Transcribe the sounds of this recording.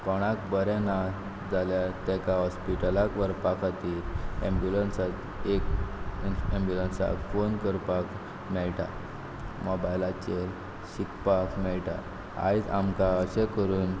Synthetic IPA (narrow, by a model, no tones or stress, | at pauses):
pɔɽ̃akbəɾẽna | d͡zaljat̪ɛkaɦɔspiʈəlakʋəɾpakʰat̪iːlẽmbjulənsat̪ | ek | ẽmbjulənsa̰kfonkəɾpak | mɛɭʈa̰ | mɔbajlat͡ɕel | ɕikpakmɛɭʈa̰ | a̰jd͡za̰mkaəɕekəɾuːn